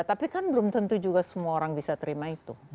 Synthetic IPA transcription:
t̪apikanbəlʊmt̪ənt̪ud͡ʒuɡasəmuaoɾaŋbisat̪əɾimait̪u

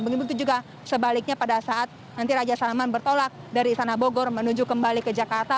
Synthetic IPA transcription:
bəɡibut̪ud͡ʒuɡa | səbalɪk̚ɲapadasaʔat̪̚ | nant̪iɾad͡ʒasaamanbərt̪olak̚daɾiːst̪anaboɡɔrmənud͡ʒukəmbalikəd͡ʒakart̪a

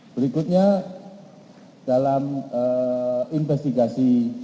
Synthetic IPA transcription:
b̥əɾikʊt̪̚ɲa | d̥alaməinfɛst̪iɡasi

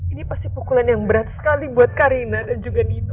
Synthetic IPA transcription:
inipast̪ipukulanjaŋbəɾat̪̚sə̥kalibuat̪̚kaɾinadand͡ʒuɡanit̪u

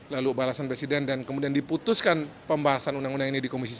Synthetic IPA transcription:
lalubalasanpɾesidɛndankəmudiandiput̪ʊskanpəmbaɦasanunaŋundaŋinidikomisis

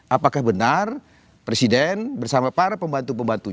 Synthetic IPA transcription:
ʔapakahbənar | pɾesidɛnbərsamapaɾapəmbant̪upəmbant̪u

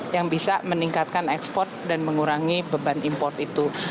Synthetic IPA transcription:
jaŋbisaməniŋkat̪̚kanɛkspɔrt̪̚danməŋuɾaŋibəbanimpɔrt̪it̪u

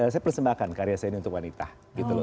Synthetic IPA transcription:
s̬ajɛpərsəmbahkankaɾiasajaniunt̪ʊkwanit̪ah | ɡit̪ul

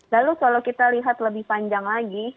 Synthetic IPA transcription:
lalukalowkit̪aliɦat̪ləbɪhpaɲd͡ʒaŋlaɡi

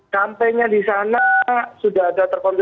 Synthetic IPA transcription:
kampɛɲadisanasudaɦadat̪ərkɔnb

